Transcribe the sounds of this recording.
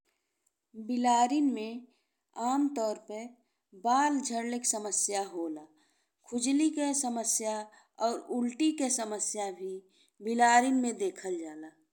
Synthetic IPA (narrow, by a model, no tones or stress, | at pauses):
bɪlaːɾinmẽ | aːmt̪ɔːɾpəɾ | baːld͡ʒʱəɾləksəməsjaɦoːlaː | kʰʊd͡ʒlikesəməsja | ɔːɾʊlʈikesəməsjabʱi | bɪlaːɾinmẽd̪eːkʰəld͡ʒaːlaː